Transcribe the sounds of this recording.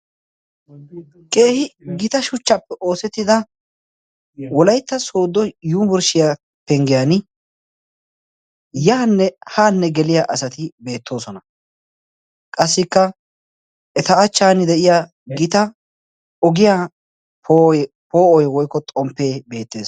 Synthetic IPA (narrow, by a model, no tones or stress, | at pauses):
kʼe̞ːhɪɡɪt̪ɐʃʊt͡ʃːɐpːɛʔo̞ːsɛt̪ːɪd̪ɐ | wɔlɐjt̪ːɐsoːd̪ːɔjuːbɔɾʃɪja | pɛŋɡɪjan | jaːnːɛhaːnːɛɡɛlɪjaʔɐsɐt̪ɪbe̞ːt̪ːo̞ːsɔnɐ | kʼɐsːɪkːɐ | ɛt̪ɐɐt͡ʃːaːnɪd̪ɛʔɪjaː | ɡɪt̪ɐ | ɔɡɪjaː | pː | poːɔjwɔjkːɔt̪ʼɔmpːe̞ːbe̞ːt̪ːe̞ːs